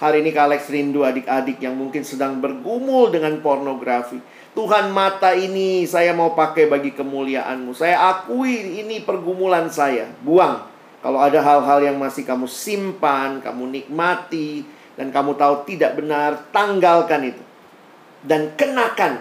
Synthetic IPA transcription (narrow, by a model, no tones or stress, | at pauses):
haɾinikalɛksrinduadɪk̚adɪk̚jaŋmuŋkɪnsədaŋbərɡumʊldəŋanpornoɡɾafi | t̪uɦanmat̪ainisajamaupakajbaɡikəmuliaʔa̰nmusajaʔakuiːnipərɡumulansaja̰buaŋ | ka̰lowadaɦalɦaljaŋmasɪhkamusimpanka̰munik̚mat̪i | dankamut̪aut̪idaʔ̚bənart̪aŋɡalkanit̪u | dankənakan